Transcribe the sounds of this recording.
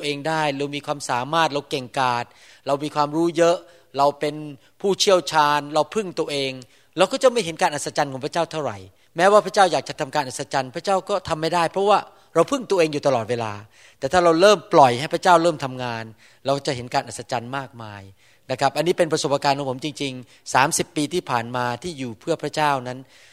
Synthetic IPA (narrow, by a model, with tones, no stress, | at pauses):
ʔeː˧ŋdaː˥˩jɾa˧wmiː˧kʰwaː˧msaː˩˦maː˥˩t̪̚ɾa˧wke˨˩ŋkaː˨˩t̪̚ | ɾa˧wmiː˧kʰwaː˧mɾuː˦˥jɤ˦˥ʔ | ɾa˧wpe˧n | pʰuː˥˩t͡ɕʰi˥˩əwt͡ɕʰaː˧nɾa˧wpʰɯ˥˩ŋt̪u˧əʔeː˧ŋ | ɾlɛː˦˥wkɔː˥˩t͡ɕa˨˩ma˥˩jɦe˨˦nkaː˧nʔa˨˩sa˧t͡ɕa˧nkʰɔː˨˩˦ŋpʰa˥˩t͡ɕaː˥˩wt̪ʰa˥˩wɾa̰˨˩j | mɛː˦˥waː˥˩pʰa˦˥t͡ɕaː˥˩wjaː˨˩k̚t͡ɕa˨˩t̪ʰa˧mkaː˧nʔa˨˩sa˧t͡ɕa˧npʰɾa˦˥t͡ɕaː˥˩wkɔː˥˩t̪ʰa˧mːa˥˩jda˥˩jpʰɔ˦˥waː˥˩ | ɾa˧wpʰɯ˥˩ŋt̪u˧əʔeː˧ŋjuː˨˩t̪a˧lɔː˨˩weː˧la̰ː˧ | t̪ɛː˨˩t̪ʰaː˥˩ɾa˧wɾɤː˥˩mplɔ˨˩jha˥˩jpʰɾa˥t͡ɕaː˥˩wɾɤː˥˩mt̪ʰa˧mŋaː˧n | lɛː˦˧wkɔ˥˩t͡ɕa˨˩ʔɦe˩˦nkaː˧nʔa˨˩t̪̚sa˧t͡ɕa˧nmaː˥˩k̚maː˧j | na˦˥kʰɾa˦˥p̚ʔa˧nːiː˦˥pe˧npɾa˧so˨˩p̚ʔaː˧kaː˧nkɔ˨˩˦ŋpʰmt͡ɕi˧ŋt͡ɕi˧ŋ | saː˩˦msi˨˩pːiː˧t̪ʰiː˥˩pʰaː˨˩nmaː˧t̪ʰiː˥˩juː˨˩pʰɯ˥˩əpʰɾa˦˥t͡ɕaː˥˩wna˦˥n